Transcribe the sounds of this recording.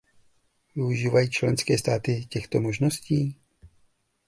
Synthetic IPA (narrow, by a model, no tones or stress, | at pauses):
vɪuʒiːvajiːt͡ʃlɛnskɛːst̪aːt̪ɪcɛxt̪omoʒnosciː